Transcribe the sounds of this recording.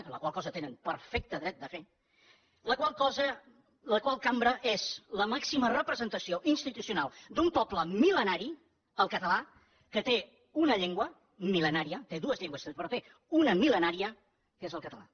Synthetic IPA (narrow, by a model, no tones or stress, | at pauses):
lə̰kwalˠkɔzət̪enənpəɾfɛk̚t̪əðɾɛt̪̚d̪əfe | ləkwalˠkɔzə | ləkwalˠkambɾəʔez̥ləmaksimərəpɾəzənt̪əsioʔinst̪it̪usiunalˠd̪umpɔpləmilənaɾi | əlˠkət̪əla | kət̪e | unəʎeŋɡwə | milənaɾiət̪eðuəzʎeŋɡwəsepəɾpe | unəmilənaɾiə | kezəlˠkət̪əla̰